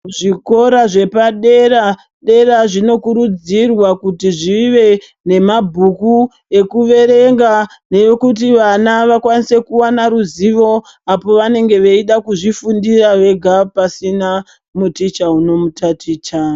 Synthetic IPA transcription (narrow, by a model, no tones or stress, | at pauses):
ʐiko̞ɾaʐe̞paɗe̞ɾa | ɗe̞ɾaʐino̞kuɾud͡zirwakutiʐiʋe̞ | ne̞mabʱuku | e̞kuʋe̞ɾe̞ŋɡa | ne̞jokut̬iʋanaʋakwanise̞kuwanaɾuziʋo̞ | apo̞ʋane̞ŋɡe̞ʋeiɗakuʐifundiraʋe̞ɡʱapasina | mutit͡ʃauno̞mutatʰiːt͡ʃa